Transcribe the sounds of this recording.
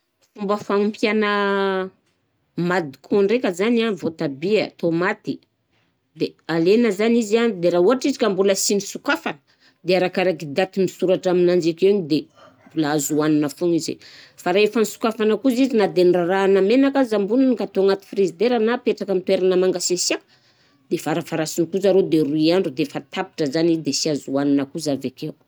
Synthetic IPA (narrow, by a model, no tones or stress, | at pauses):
fumbəfaŋumpjanə | mad̪ikʰoɳɖ͡ʐekəzanavot̪abiə̰t̪omat̪i | d̪ealenəzanizianid̪eɾauɦaʈ͡ʂizikambuləsinisukafanə̥ | d̪eaɾakaɾakid̪at̪imisuɾaʈ͡ʂaminand͡ʒikeeɲid̪e | bulaazuaninəfuŋizḛfaɾaefanisu̥kafanəkuzizinad̪enraɾaːnamenakazambununikat̪oaŋat̪i̥fiɾizid̪eɾanapeʈ͡ʂakamit̪weɾanəmaŋɡasesiak | d̪̥efaɾafaɾasinikuzaɾod̪eruiaɳɖ͡ʐud̪efat̪api̥ʈ͡ʂəzanizd̪esiazuaninəkuzavekew